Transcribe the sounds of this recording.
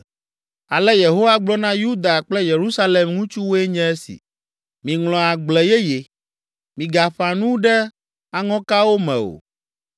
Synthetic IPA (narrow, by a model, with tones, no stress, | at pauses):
a˨lɛ˦je˨ɦo˦wa˦ɡ͡blɔ˦nã˦ju˦d̪a˨k͡plɛ˦je˨ɾu˦sa˦le˨mŋũ˦t͡ʃu˦wo˦ɛ˦ɲɛ̃˦ɛ˦sḭ˨ | mĩ˨ŋlɔ̃˨a˨ɡ͡blɛ˨je˦je˨ | mĩ˨ɡa˨ɸa˨nũ˦ɖɛ˦ | a˨ŋɔ̃˦ka˦wo˦mɛ̰̃˨o̰˨